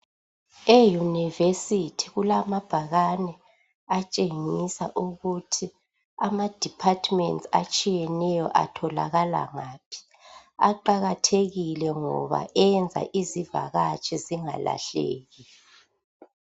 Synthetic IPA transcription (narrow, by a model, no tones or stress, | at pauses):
ejunivesitʰiɣulamab̥ʱaɣanɛ | at͡ʃʼeŋisaʔuɣutʰi | amad̥ʱipʰatʰʼmɛntsat͡ʃʼijɛnɛjɔʔatʰɔla̰ɣala̰ŋapʰi̥ | a̰ǃaɣatʰeɣilɛŋɔ̰βa̰ʔɛnd͡zʱa̰ʔiziva̰ɣat͡ʃʰʼiziŋa̰la̰ɬḛːɣi